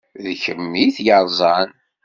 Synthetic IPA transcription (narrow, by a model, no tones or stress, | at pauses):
ðçəmːiθjəɾˤzˤɑn